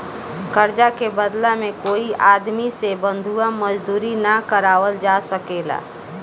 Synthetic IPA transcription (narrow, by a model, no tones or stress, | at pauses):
kəɾd͡ʒakebəd̪lamẽkoːiʔaːd̪misebə̃nd̪ʱuaməd͡ʒd̪uːɾinakəɾaːʋəld͡ʒasəkeːla̰ː